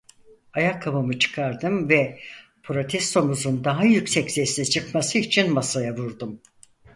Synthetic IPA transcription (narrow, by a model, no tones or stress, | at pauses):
ajakʰːabamɯt͡ʃʰɯ̥kʰaɾd̪ɯmvɛpʰɾo̞t̪ʰɛst̪ʰo̞muzund̪aɦajycsɛcsɛsnɛt͡ʃʰɯkmasɯit͡ʃʰinmasajavuɾd̪um